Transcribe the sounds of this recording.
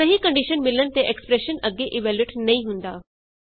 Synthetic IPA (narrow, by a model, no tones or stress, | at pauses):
sɐɦikɐ̃ɳɖiʃənmɪlənɪt̪eʔekspɾeʃənɐɡeʔiʋɛːljʊʈnɐĩɦũːnd̪aː